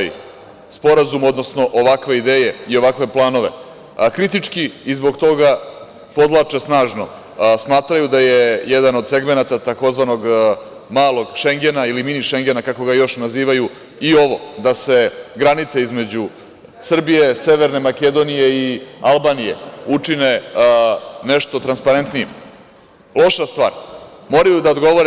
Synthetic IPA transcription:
j | spo̞ɾazumo̞d̪no̞sno̞ʔoʋakʋe̞id̪e̞ːje̞io̞ʋakʋe̞plˠaːno̞ʋe̞̰ | kɾit̪it͡ʂkiizbo̞ɡt̪o̞ɡa | po̞d̪lˠat͡ʂe̞snaːʒno̞ | smaːt̪ɾajud̪ajejed̪ano̞d̪se̞ɡme̞nat̪at̪ako̞zʋano̞ɡ | maːlˠo̞ɡʃe̞ŋɡe̞nailiminiʃe̞ŋɡenakako̞ɡajo̞ʃnaziːʋaju | io̞ʋo̞d̪ase̞ɡɾanit̪seizme̞d͡ʑu | sr̩bije̞se̞ʋeɾne̞make̞d̪o̞nije̞ialˠbaːnije̞̰ut͡ʂine̞ | neʂt̪o̞t̪ɾanspaɾe̞nt̪nijem | lˠo̞ʃast̪ʋa̰ːɾmo̞ɾajud̪aod̪ɡo̞ʋoɾe

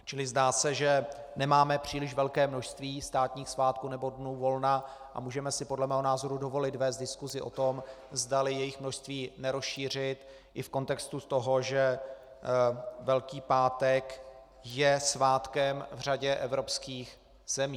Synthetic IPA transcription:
t͡ʃɪlɪzdaːsɛʒɛ | nɛmaːmɛpr̝̥iːlɪʃvɛlkɛːmno̞ʃst̪viːst̪aːt̪ɲiːxsvaːt̪kuːnɛbodnuːvo̞lnaʔa̰muːʒɛmɛsɪpodlɛmɛːɦonaːzo̞ɾudo̞vo̞lɪt̪vɛːs̬t̪dɪskuzɪʔo̞̰t̪o̞mzdalɪjɛjɪxmnoʃst̪viːnɛɾosʃiːr̝ɪt̪ | ʔɪfko̞nt̪ɛkst̪ut̪oɦoʒɛ | vɛlkiːpaːt̪ɛk | jɛsvaːt̪kɛmvr̝aɟɛʔɛvɾo̞pskiːx | z̥ɛmiː

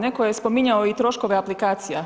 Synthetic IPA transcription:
ne̞kojespo̞miɲaoit̪ɾo̞ʃko̞ʋeaplikaːt̪sija

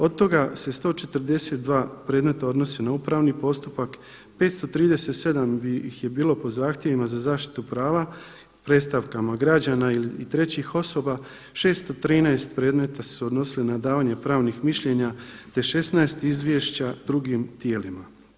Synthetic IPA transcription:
o̞d̪̚t̪o̞ɡase̞st̪o̞ːt͡ʃe̞t̪ɾd̪e̞se̞t̪̚d̪ʋaːpɾe̞ːd̪me̞t̪ao̞d̪no̞senaupɾaʋnipo̞st̪upak | pe̞ːt̪st̪o̞t̪ɾiːd̪e̞se̞t̪se̞d̪ambixje̞biːlo̞po̞zaːxt̪ʲje̞ʋimazazaːʃt̪i̥t̪upɾaːʋa | pɾe̞t̪st̪aʋkamaɡɾad͡ʑanailiit̪ɾe̞t͡ɕixo̞so̞ba | ʃe̞ːst̪o̞t̪ɾiːnaest̪pɾe̞ːd̪me̞t̪assuod̪no̞silinad̪aːʋaɲe̞pɾaːʋnixmiʃʎe̞ɲat̪e̞ʃe̞snaest̪izʋje̞ʃt͡ɕad̪ɾuɡimt̪je̞ːlima

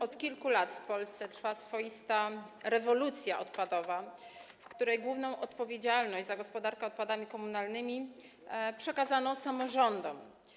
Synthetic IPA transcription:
ɔt̪kʲilkulat̪fpɔlst̪sɛt̪ɾfasfɔjist̪aɾɛvɔlut̪sʲjaʔɔt̪̚pad̪ɔvafkt̪uɾɛjɡwuvnɔ̃w̃ʔɔt̪pɔvʲjed͡ʑalnɔʑd͡ʑzaɡɔspɔd̪aɾkɛɔt̪̚pad̪amʲikɔmunalnɘmʲi | pʂɛkazanɔsamɔʐɔnd̪ɔm

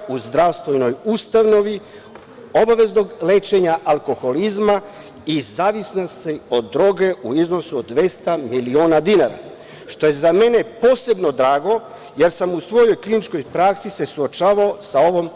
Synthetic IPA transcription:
uzd̪ɾaʋst̪ʋojno̞just̪aʋno̞ʋi | o̞baʋe̞zno̞ɡleːt͡ʃe̞ɲaʔalˠko̞xo̞lizma | izaːʋisnost̪io̞d̪ːɾo̞ɡe̞uizno̞suod̪ːʋe̞st̪amilioːnad̪inaɾa̰ | ʃt̪o̞je̞zame̞ne̞po̞ːse̞bno̞d̪ɾaːɡo̞ | je̞ɾsamusʋo̞jo̞jklinit͡ʃko̞jpɾaksise̞suot͡ʃaːʋaosao̞ʋo̞m

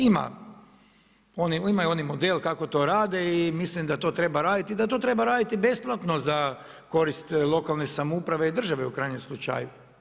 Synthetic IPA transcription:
ima̰ | o̞niimajuo̞nimod̪elkako̞t̪o̞ːɾaːd̪e̞imislimd̪at̪o̞ːt̪ɾe̞baɾaːd̪it̪id̪at̪o̞t̪ɾe̞baɾaːd̪it̪ibe̞splˠat̪no̞za | ko̞ɾist̪lˠo̞kalˠnesamoupɾaʋe̞id̪r̩ʒaʋe̞ukɾajɲemslˠut͡ʃa̰ju

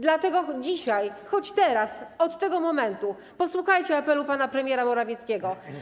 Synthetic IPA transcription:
d̪lat̪ɛɡɔd͡ʑiɕajxɔt͡ɕt̪ɛɾasɔt̪ːɛɡɔmɔmɛnt̪u | pɔswuxajt͡ɕɛapɛlupanapɾɛmʲjɛɾamɔɾavʲjɛt̪skʲeɡɔ

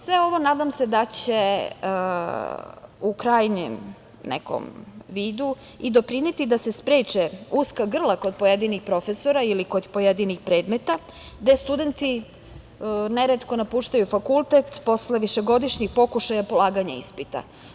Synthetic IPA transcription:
sʋeo̞ʋo̞naːd̪amse̞d̪at͡ɕe | ukɾaːjɲḛm | nḛko̰mʋiːd̪u | id̪o̞pɾinet̪id̪ase̞spɾeːt͡ʃeuskaɡr̩lˠako̞d̪̚pojed̪inixpɾo̞feso̞ɾailiko̞d̪po̞jed̪inixpɾeːd̪met̪a | d̪e̞st̪ud̪e̞nt̪i | neɾet̪ko̞napuːʃt̪ajufakulˠt̪et̪po̞sleʋiʃe̞ɡo̞d̪iʃɲixpo̞kuʃajapolˠaːɡaɲaḭspit̪a̰

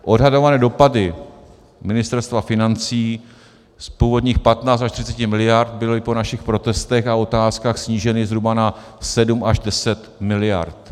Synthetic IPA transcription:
ʔo̞dɦado̞vanɛːdo̞padɪ | mɪnɪst̪ɛɾst̪vafɪnant͡siː | spuːvo̞dɲiːxpat̪naːt͡st̪aʃt̪ɪ̝̥ɪt͡sɛcɪmɪlɪjaɾt̪̚bɪlɪpo̞naʃɪxpɾo̞t̪ɛst̪ɛxao̞t̪aːskaːxsɲiːʒɛnɪzɦɾubana | sɛdumʔaʒdɛsɛt̪mɪlɪja̰ɾt̪

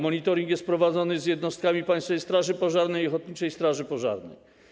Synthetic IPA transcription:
mɔɲit̪ɔɾʲiŋkjɛst̪pɾɔvad̪zɔnɘzʲjɛd̪nɔst̪kamʲipaj̃st̪fɛjst̪ɾaʐɘpɔʐaɾnɛjɔxɔt̪̚ɲit͡ʂɛjst̪ɾaʐɘpɔʐa̰ɾnɛ̰j

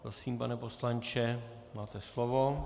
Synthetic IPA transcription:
pɾosiːmpanɛpo̞slant͡ʃɛ | maːt̪ɛslovo

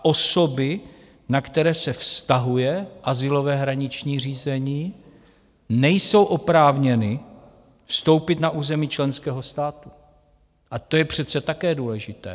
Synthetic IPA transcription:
ʔo̞so̞bɪ | nakt̪ɛɾɛːsɛfst̪aɦujɛʔazɪlo̞vɛːɦɾaɲɪt͡ʃɲiːr̝iːzɛɲiː | nɛjso̞wʔo̞pɾaːvɲɛnɪ | fst̪o̞wpɪt̪naʔuːzɛmiːt͡ʃlɛnskɛːɦo̞st̪aːt̪u | ʔat̪o̞jɛpr̝̥ɛt̪t͡sɛt̪akɛːduːlɛʒɪt̪ɛ̰ː

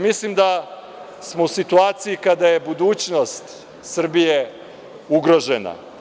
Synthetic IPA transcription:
mislimd̪a | smo̞usit̪uaːt̪sijikad̪aje̞bud̪uːt͡ɕnost̪ | sr̩bije̞ | uɡɾo̞ʒena̰

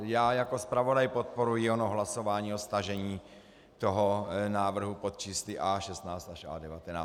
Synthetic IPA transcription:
jaːjako̞spɾavo̞dajpot̪̚po̞ɾujɪonoɦlaso̞vaːɲiːost̪aʒɛɲiː | t̪o̞ɦonaːvr̩ɦupot̪̚t͡ʃiːslɪʔaːʃɛst̪naːt͡st̪aʃʔa̰ːdɛvat̪ɛnaː

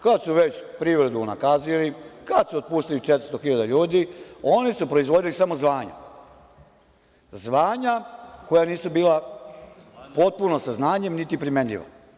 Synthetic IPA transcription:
kad̪suʋet͡ɕpɾiʋɾed̪una̰kazilikad̪suot̪̚puːst̪ilit͡ʃet̪ɾ̥̩st̪oxiʎad̪aʎuːd̪io̞nisupɾo̞izʋo̞d̪ilisamo̞zʋaːɲa̰ | zʋaːɲako̞janiːsubiːla | po̞t̪̚punosaznaːɲe̞mnit̪ipɾimeɲʎḭʋo̰

